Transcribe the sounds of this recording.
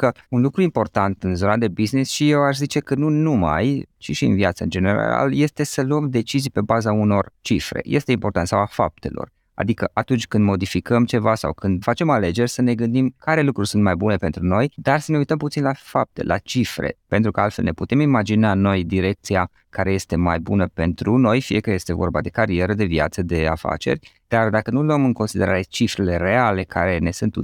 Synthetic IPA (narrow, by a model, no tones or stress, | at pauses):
kəunlukɾuimpo̞rt̪ant̪ɨnzo̞nad̪e̞biznisʃije̞waʃzit͡ʃe̞kənunuma̰jt͡ʃiʃiɨ̰nvjat̪səɨ̰nd͡ʒe̞ne̞ɾa̰a̰lje̞st̪e̞səluəmd̪e̞t͡ʃizijpe̞bazauno̞rt͡ʃifɾḛje̞̰st̪e̞impo̞rt̪ant̪sawafa̰p̚t̪e̞̰lo̞̰r | a̰d̪ikəʔat̪unt͡ʃʲkɨnd̪mo̞d̪ifikəmt͡ʃe̞vasa̰wkɨnd̪fat͡ʃe̞male̞d͡ʒe̞rʲsəne̞ɡɨnd̪imkaɾe̞lukɾurʲsunt̪majbune̞pe̞nt̪ɾuno̞jd̪arsəneujt̪əmput̪sinlafap̚t̪e̞̰lʔa̰t͡ʃifɾḛpe̞nt̪ɾukəalt̪fe̞lne̞put̪emimad͡ʒinano̞jd̪iɾe̞k̚t̪sia | kaɾe̞je̞st̪e̞majbunəpe̞nt̪ɾuno̞jfije̞kaje̞st̪e̞vo̞̰rba̰d̪e̞kaɾie̞ɾəd̪e̞via̰t̪səd̪e̞a̰fa̰t͡ʃe̞̰rʲ | d̪̥ard̪akənuloəmɨŋko̞nsid̪e̞ɾaɾe̞t͡ʃifɾe̞le̞ɾe̞ale̞kʰa̰ɾe̞ne̞sunt̪u